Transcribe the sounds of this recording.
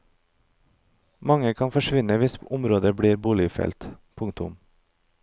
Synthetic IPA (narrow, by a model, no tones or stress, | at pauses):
mɑŋəkʰɑnfɔʃʋɪnəʋɪsʊmɾoːd̪əbɽiːɾbuːlɪfɛ̰lt̪pʰʊŋt̪ʊ̰m